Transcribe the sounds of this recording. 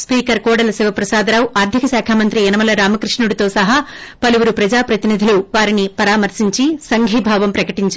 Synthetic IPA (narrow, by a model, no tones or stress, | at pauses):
spiːkɐɾkɔːɽɐlɐsiʋɐpɾɐsaːd̪ɐɾaːwuʔaːɾd̪ʱikɐsaːkʰaːmɐnt̪ɾiɛnɐmɐlɐɾaːmɐkɾiʂɳuɽit̪o̞ːsɐɦaː | pɐluʋuɾupɾɐd͡ʒaːpɾɐt̪inid̪ʱiluʋaːɾinipɐɾaːmɐɾsiɲt͡ʃisɐŋɡʱiːbʱaːʋɐmpɾɐkɐʈiɲt͡ʃ